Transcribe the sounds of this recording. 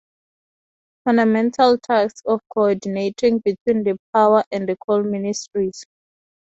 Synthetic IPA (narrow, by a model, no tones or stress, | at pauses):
fãndamɛ̃ntʰaltʰaksɔfkʰɔɔdinetʰĩŋbitʰwĩndəp̚ʰawaʔɛ̃ndəkʰɔlministɹiz̥